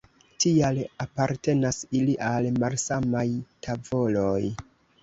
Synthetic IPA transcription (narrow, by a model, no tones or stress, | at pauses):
tialapaɾte̞nasiliʔalmalsamajtʰavo̞loj